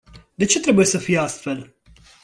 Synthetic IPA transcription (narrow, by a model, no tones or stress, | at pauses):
d̪et͡ʃet̪ɾebujesəfijeast̪fel